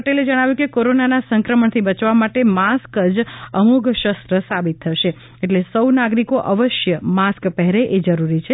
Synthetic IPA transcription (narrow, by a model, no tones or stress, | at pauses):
əʈeled͡ʒəɽ̃aʋjũkekoɾonanasəŋkɾəməɳt̪ʰibət͡ʃʋamaʈemaskəd͡ʒəmuɡʃəst̪ɾəsabit̪ʰːəʃe | eʈlesəwnaɡɾikoʔəʋəʃjəmaskpɛɦɾeʔed͡ʒəɾuɾit͡ʃʰe